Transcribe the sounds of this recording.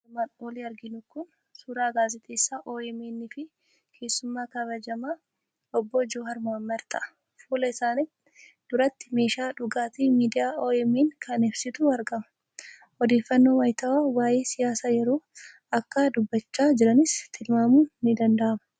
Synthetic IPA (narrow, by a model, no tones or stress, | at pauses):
maːnoliɐɾɡɪnʊkʊn | suːɾaːɡaːzɪt̪ʰeːsːaːʔoːɛmeːnːɪfɪ | kʰe̞ːsːʊmːaːkɐβɐd͡ʒɐmaː | ɔbːɔd͡ʒoːɦɐɾmaːmːɐɾt̪ʰɐʔɐ̥ | fuːlɐɪsaːnɪt̪ | d̪̥ʊɾɐt̪ːɪ̥me̞ːʃaːᶑʊɡaːt̪iːmiːd̪ɪjaːʔoːɛmeːŋkʰɐnɪbsɪt̪ʊɐɾɡɐmɐ̥ | ɔd̪e̞ːfːɐnːo̞ːwɐjt̪ɐwaːwaːjeːsɪjaːsaːjɛɾo̞ː | ɐkːad̪ʊbːɐt͡ʃːaːd͡ʒɪɾɐnɪst̪ʰɪlmaːmuːnːɪd̪ɐnd̪ɐʔɐmɐ̥